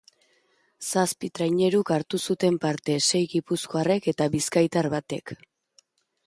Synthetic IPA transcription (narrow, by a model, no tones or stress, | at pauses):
saspit̪ɾajɲe̞ɾukaɾt̪usut̪e̞mpaɾt̪e̞se̞jɣipusko̞are̞ke̞t̪aβiskajt̪aɾβat̪e̞̰k